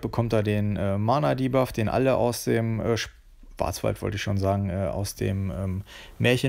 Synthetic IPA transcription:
b̥əkʰɔmtd̥aːdeːnʔɛːmaɐnadiːbafd̥eːnʔa̰ləʔa̰ʊsd̥eːmʔɛːʃ | v̥a̰ɐt͡sv̥a̰ltv̥ɔ̰ltɪçʃoːnzaːɡŋ̩ʔɛːʔa̰ʊsd̥ḛːmʔɛːeːɐçə

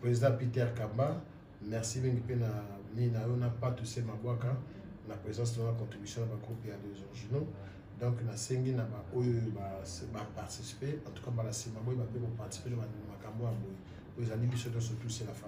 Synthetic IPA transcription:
pʁezidɑ̃pitɛʁkamba | mɛʁsimĩŋɡipenaminajonapatusemaboaka | napʁezzɑ̃s̬aakɔ̃tʁibysjɔ̃nabaɡʁupejadezɔʁʒino | dɔ̃knaseŋɡinabaojoabapaʁtisi̥peãtu̥kabalasimaboibabebopaʁti̥si̥penabanmakambojaboi | oezalibisodɔ̃s̬otuselafa

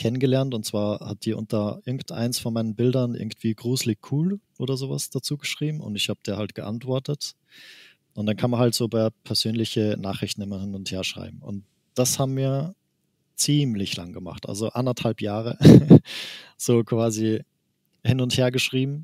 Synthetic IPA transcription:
kʰɛnənɡəlɛɐntʊntt͡sv̥aːɐha̰t̚d̥iːɐʔʊ̰ntɐʔɪɐɡŋ̩tʔa̰ɪnsfɔnmaɪnənbɪldɐnʔɪ̰ɐɡŋ̩tv̥iːɡʁuːzlɪçkʰuːlʔoːdɐzoːva̰sd̥at͡suːɡəʃʁ̥iːbm̩ʊ̰ntɪçhaːbəd̥eːɐhaltɡ̥əʔa̰ntv̥ɔɐtət | ʔʊntd̥ankʰanmɐnhaltz̥oːpɛɐpʰɛɐzøːnlɪçəna̰ːχʁ̥ɪçtn̩ɪmɐhɪnʊntheːɐʃʁ̥a̰ɪbm̩ʊ̰nt | d̥ashaːbm̩miːɐ | t͡siːmlɪçla̰ŋɡəma̰χtʔa̰lzoʔa̰ndɐthalpjaːʁə | z̥oːkv̥aːzi | hɪnʊntheːɐɡəʃʁ̥iːbm̩

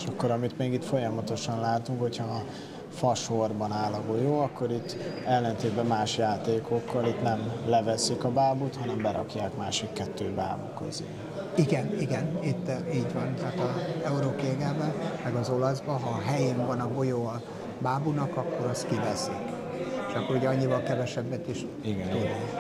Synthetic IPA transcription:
ʃokːoɾɒmit̪meːɡit̪fo̞jɒmɒt̪o̞ʃɒnlaːt̪uŋkho̞cʰhɒ | fɒʃorbɒnaːlɒɡo̞joːɒkːo̞ɾit̪ːɛlːɛnt̪eːd̪bɛmːaːʃjaːt̪eːko̞kːɒlit̪nɛmlɛvɛsikɒbaːbut̪hɒnɛmbɛɾɒ̰kjaːkmaːʃikːɛt̪ːøːba̰ːbṵkøzḛː | iɡɛniɡɛnit̪ːiːɟvɒnt̪aːt̪ɒɛuɾoːkeːɡɛbɛmɛɡɒzo̞lɒzbɒɦɒːɦɛjeːɱvɒnɒɡo̞joɒ | baːbunɒkɒkːo̞ɾɒst̪kivɛsik | t͡ʃʃɒkːoɾuɟɛɒɲːivɒlkɛvɛʃɛbːɛt̪eʃ | iɡɛniɡɛn

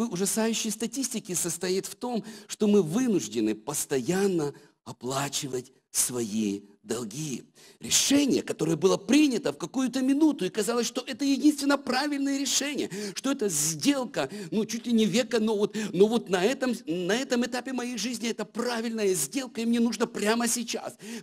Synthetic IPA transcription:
vɨʊʐɐsajʉɕːɪjst̪ɐtʲisʲtʲɪkʲɪsəst̪ɐjit̪ft̪o̞mʂt̪o̞mɨvɨnʊʐdʲɪnɨpəst̪ɐjanːə | ɐplˠat͡ɕɪvətʲ | svɐji | d̪ɐlˠɡʲijə | ɾʲɪʂɛnʲɪjəkɐt̪o̞ɾəjəbɨlˠəpɾʲinʲət̪əfkɐkujʊt̪əmʲɪnut̪ʊikɐzɑlˠəsʲʂt̪o̞ʔɛt̪əjɪdʲinst̪vʲɪnːəpɾavʲɪlʲnəjəɾʲɪʂɛnʲɪjəʂt̪o̞ɛt̪əzʲdʲe̞lˠkənut͡ɕutʲlʲɪnʲɪvʲekənovot̪no̞vo̞t̪nɐɛt̪əmnɐɛt̪əmɨt̪apʲɪmɐjejʐɨzʲnʲɪɛt̪əpravʲɪlʲnəjəzʲdʲe̞lˠkəimnʲenuʐnəpɾʲaməsʲɪt͡ɕa̰s

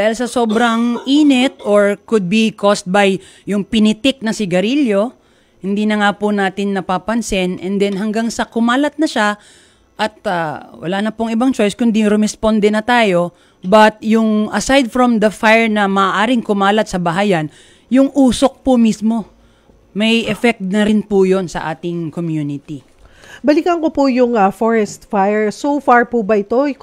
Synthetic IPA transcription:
d̪aːhɪlsɐso̞ːbɾɐŋʔiːnɛt̪oɹkʊd̪̚bikʰost̪̚bɐj | jʊŋpɪnɪt̪ɪk̚nɐsɪɡɐɾiljo̞ | hɪnd̪iːnɐŋapʊnaːt̪ɪnːɐpapɐnsɪnʔɛnd̪ɛnɦɐŋɡaŋsɐkʊmaːlɐt̪̚nɐʃa | ʔɐt̪̚ɐwɐ̰laːnɐpʊŋɪbaŋt͡ʃo̞jskʊnd̪iɾʊmɛspond̪ɛnɐt̪aːjo̞ | bɐt̪̚jʊŋʔɐsajd̪̚fɾomd̪ɐfajɛɹnɐmɐʔːʔaːɾɪŋkʊmaːlɐt̪̚sɐbɐɦajɐn | jʊŋʔuːsok̚pʊmismo̞ | mɐjʔɛfɛk̚t̪̚nɐɾɪnpʊjo̞nsɐ̰ʔaːt̪ɪŋkomjunɪt̪i | bɐlikɐŋkopʊjʊŋɐfoɹɛst̪fajɛɹsowfaɹpubɐʔɪt̪oɪ

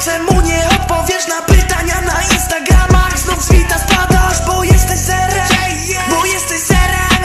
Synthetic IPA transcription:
sɛmuɲɛɔt̪̚pɔvʲjɛʂnapɪt̪aɲanainst̪aɡɾamakznɔzvʲit̪aspad̪aʂbɔjɛst̪ɛɕsɛɾɛ | bɔjɛst̪ɛɕsɛɾɛ

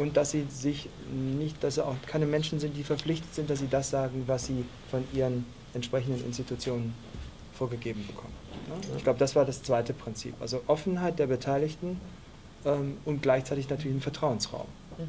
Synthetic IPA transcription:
ʔʊnt̚d̥asz̥iːzɪç | nɪçtd̥asɛaʊxkʰaɪnəmɛnʃn̩zɪnt̚d̥iːfɛɐp͡flɪçtə̥tz̥ɪnt̚d̥as̬z̥iːdasz̥aːɡŋ̩vasz̥iː | fɔnʔiːʁən | ʔɛntʃpʁ̥ɛçn̩dənʔɪ̰nstitʰut͡sjoːnən | foːɐɡəɡeːbm̩bəkʰɔ̰mənnəɪçɡ̥laʊbədasv̥aːɐdast͡sv̥aɪtəpʁ̥ɪnt͡sḭːpʔa̰lzoʔɔfn̩ɦaɪt̚d̥eːɐbətʰaɪlɪçtn̩ | ʔɛːmʊntɡ̥laɪçt͡saɪtɪçnatʰyːɐlɪçɪnfɛɐtʁ̥aʊənsʁa̰ʊm

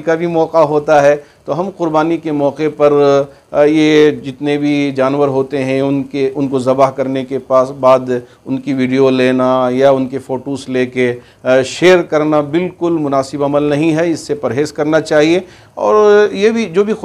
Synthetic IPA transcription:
kabʱimɔːqaɦoːt̪aɦɛːt̪oɦɐmqʊɾbaːnikemɔːqepɐɾ | jed͡ʒɪt̪nebʱid͡ʒaːnʋəɾɦoːt̪eɦɛ̃ʊnkeʔʊnkozɐbaɦkɐɾnekepaːsbaːd̪ | ʊnkiʋiːɖijoleːnajaʊnkefoːʈoːsleːke | ʃeːɾkɐɾnabɪlkʊlmʊnaːsɪbɐməlnɐɦĩɦɛɪsːepɐɾɦeːzkɐɾnat͡ʃaːɦie | ɔ̰ːɾjebʱid͡ʒoːbʱi

